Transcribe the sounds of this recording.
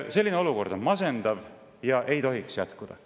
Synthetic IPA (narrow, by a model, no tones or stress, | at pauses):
se̞lʲːineo̞luko̞rd̪̥o̞nmɑse̞nd̪̥ɑv | jɑʔe̞jt̪o̞ɦiksjæt̪kud̪̥ɑ̰